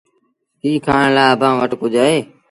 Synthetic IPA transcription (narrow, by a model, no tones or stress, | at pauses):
ɦiːkʰaːɳlaːəbʱãːʋəʈkʊd͡ʒaːeː